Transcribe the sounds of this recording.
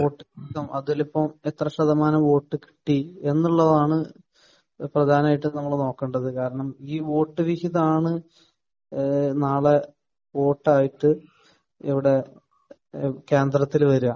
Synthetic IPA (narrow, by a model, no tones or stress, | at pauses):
o̞ːʈːɨʋihiðɐmʔɐðilipːɐmet̪rɐʂɐd̪ɐmaːnɐmʋo̞ːʈːɨki̥ʈːie̞nːuɭːɐðaːɳɨ | prɐd̪ʱaːnɐmaːjiʈːɨnɐmːɐɭno̞ːkːeːɳɖɐðɨkaːɾɐɳɐmiːʋo̞ːʈːɨʋihiðɐmaːɳɨ | naːɭe | ʋo̞ːʈːaːjiʈːɨ | iʋiɽe̞ | ke̞ːnd̪rɐt̪ːilʋɐɾuɐ